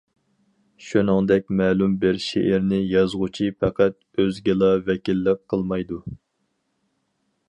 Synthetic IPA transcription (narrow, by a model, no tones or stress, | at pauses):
ʃunɨŋd̪ɛk̚ʲmɛːlumbɪɾʃḛʔɪɾnɪjɑzʁʊt͡ʃʰipʰɛqʰæt̪̚ | øzɡʲɪlˠɑvɛkʲilːɪqqʰːəlˠmɑjd̪u